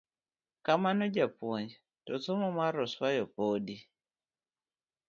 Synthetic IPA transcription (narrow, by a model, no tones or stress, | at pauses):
kamanod͡ʒapoɲd͡ʒ | tɔt͡somɔmaɾɔswajɔpoːdi